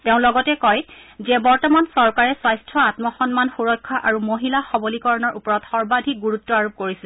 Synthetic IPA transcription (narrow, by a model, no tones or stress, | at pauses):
teʊ̃lɔɡɔtɛkɔj | zɛbɔɹtɔmansɔɹkaɹɛswajstʰɔatmɔxɔnmanxuɹɔjkʰːaʔaɹumoɦilaxɔbolikɔɹɔnɔɹʔupɔɹɔtxɔɹbadʱiɡuɹutːɔaɹup̚koɹisil